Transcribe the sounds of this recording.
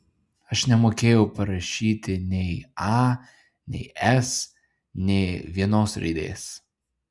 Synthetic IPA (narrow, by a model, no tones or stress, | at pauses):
ɐʃnʲɛmoːkʲeːjɛʊpɐɾɐʃʲiːt̪ʲɪnʲɛɪɑ | nʲɛ̰ɪɛs | nʲɛɪʋʲiɛnoːsɾʲɛ̰ɪd̪ʲḛːs